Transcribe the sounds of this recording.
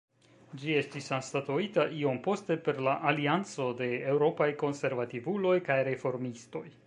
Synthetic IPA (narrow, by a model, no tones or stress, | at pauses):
d͡ʒie̞stisanstatuitaʔio̞mpo̞ste̞pe̞ɾlaʔaliant͡so̞de̞ːwɾo̞pajko̞nse̞ɾvativulo̞jkajɾe̞fo̞ɾmisto̞j